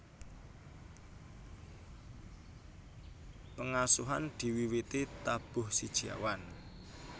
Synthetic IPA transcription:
pəŋasuɦand̪̥i̤wiwit̪it̪ab̥ʊhsid̥ʒ̥ia̰wan

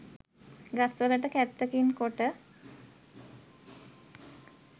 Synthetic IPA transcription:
ɡasʋələʈəkæt̪ːəkinkoʈə

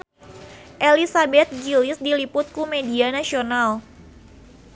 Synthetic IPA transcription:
ʔelisabɛt̪̚ɡilɪsdilipʊt̪̚kumedianasional

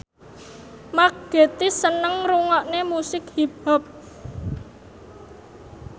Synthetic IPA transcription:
maɡ̥e̤t̪isənəŋruŋɔʔnemusɪkhib̥a̤p̚

